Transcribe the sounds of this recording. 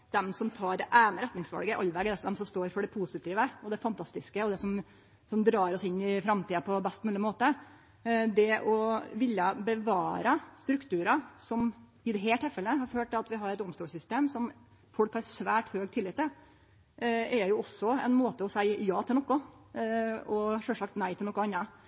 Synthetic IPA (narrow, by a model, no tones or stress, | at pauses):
d̪̥ɛmsɔmt̪ʰɑːɾɛʔæːnəɾɛt̪nɪŋsʋɑ̰lɡəʔɑlːʋɛɡɛd̪ɛsɔd̪ɛmsɔmst̪oːɾfɔɖɛpʰusɪt̪ʰiːʋəɔd̪ɛfɑnt̪ʰɑst̪ɪskəɔd̪ɛsɔm | sɔmd̪ɾɑːɾɔsɪnːɪfɾɑmt̪ʰiːɑpʰɔbɛst̪ɔmʉːlɪmoːt̪ə | d̪ɛʔɔʋɪlːjəbəʋɑːɾəst̪ɾʉkt̪ʰʉːɾɑsɔm | ɪd̪ɛɦeːlʈ̪ʰːɛlfɛlːəɦɑɾføːʈ̪̚ɛɑt̪ʋɪɦɑɾɛt̪ɔmst̪oːlsʏst̪eːmsɔm | fɔlkhɑɾsʋæːʈhøːɡt̪ʰɪlːɪt̪ːə | ɛɾjʊɔsːɔɛ̰nmoːt̪əɔsæɪjɑːt̪ʰɪlnɔkːʊ | ɔʂœːʂɑkt̪næɪt̪ʰɪlnɔkːʊɑnːɑ